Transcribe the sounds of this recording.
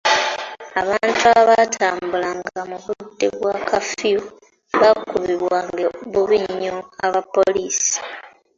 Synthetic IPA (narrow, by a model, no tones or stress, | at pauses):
aβaːntuaβatʰaːmbulaŋɡamuβuudḛβwakafiu | βakuβiβwaŋɡeβuβiɲɲːoaβapo̞liːsi̥